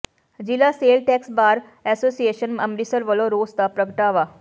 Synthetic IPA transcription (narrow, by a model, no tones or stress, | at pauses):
d͡ʒɪlaːseːlʈɛːksbaːɾ | ɛːsoːsieːʃənməmɾisəɾʋəlõːɾoːst̪apɾəɡəʈaːʋaː